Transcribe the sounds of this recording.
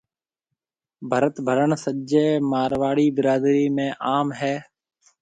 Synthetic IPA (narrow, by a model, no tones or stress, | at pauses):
bʱəɾət̪bʱəɾəɳsəd͡ʒeːmaːɾʋaːɽiːbɪɾaːd̪ɾiːmẽːʔaːmɦɛː